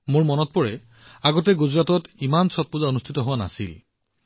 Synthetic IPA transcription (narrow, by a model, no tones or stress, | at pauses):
moɹmɔnɔt̚pɔɹɛ | aɡɔtɛɡuzɹatɔtimansɔt̚puzaonustʰitɔɦʊwana̰sḭl